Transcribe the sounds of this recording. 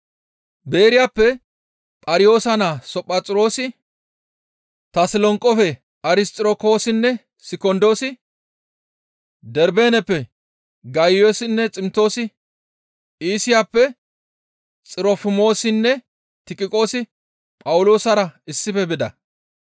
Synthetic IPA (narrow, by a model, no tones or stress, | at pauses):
beːɾɪjaːpːɛ | pʼɐɾɪjo̞ːsɐnasɔpʼːɐt͡sʼɪɾo̞ːsɪ | t̪ɐsɪlɔŋkʼːɔfɛ | ɐɾɪst̪ʼɪɾoko̞ːsɪnːɛ | sɪkɔnd̪o̞ːsɪ | d̪ɛɾbeːnɛpːɛ | ɡɐjoːsɪnːɛt͡sʼɪmt̪o̞ːsɪ | iːsɪjaːpːɛ | t͡sʼɪɾɔfɪmo̞ːsɪnːɛ | t̪ɪkʼɪkʼo̞ːsɪ | pʼɐwʊlo̞ːsɐɾɐɪsːɪfɛbɪd̪ɐ̰